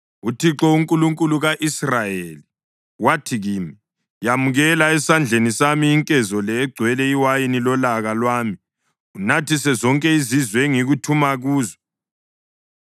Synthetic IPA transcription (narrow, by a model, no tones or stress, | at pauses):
utʰiǁɔuŋkʼuluŋkʼuluɣaʔisrajeli | watʰiɣiːmi | jamuɣɛlaɛsand͡ɮʱenisamiːŋkʼɛzɔlɛːɡ͡ǀʱwɛlɛiwajinilɔlaɣalwaːmi | unatʰisɛzɔŋkʼɛizizwɛŋiɣutʰumaɣuːzɔ